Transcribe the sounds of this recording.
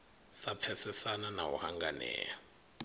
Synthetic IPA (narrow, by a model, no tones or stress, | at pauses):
sap̪fʰɛsɛsananawɔ̰haŋɡanɛ̰ːja